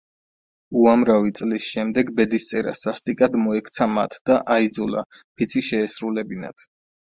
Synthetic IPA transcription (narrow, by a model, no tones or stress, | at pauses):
uamɾavit̪sʼlisʃɛmd̪ɛɡbɛd̪ist̪sʼɛɾa̰sast̪ʼikʼad̪mɔɛkʰt̪sʰama̰t̪ʰd̪̥aʔaid̪zɔla̰pʰit̪sʰiʃɛːsɾulɛbina̰t̪ʰ